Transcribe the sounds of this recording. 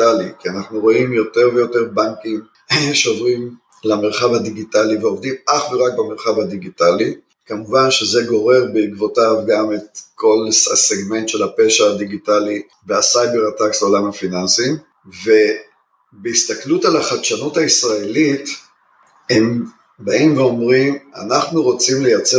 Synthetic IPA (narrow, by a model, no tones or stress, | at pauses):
alikianaχnuʁo̞imjo̞te̞ʁvejo̞te̞ʁbaŋkim | ʃeovʁim | lame̞ʁχavhadiɡitaliveo̞vd̪imʔaχveʁak̚bameʁχavad̪iɡitali | kamuvanʃeze̞ɡo̞ʁe̞ʁbeikvo̞tavɡametkʰo̞lsseɡme̞ntʃe̞lapeʃaad̪iɡitali | veasajbe̞ʁataksleolamhafinansim | ve | beist̪aklutalaχadʃanuthaisʁaelit | hem | baimveo̞mʁima̰naχnuʁo̞t͡simle̞jat͡se